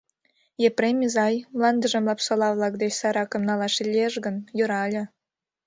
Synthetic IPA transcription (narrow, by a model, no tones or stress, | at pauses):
jepremʲizɑjmlɑnd̪əʒə̆mlɑpsolɑβlɑk̚d̪et͡ɕsɑɾɑkəmnɑlɑʃilʲieʃɡənjoɾɑlʲĕ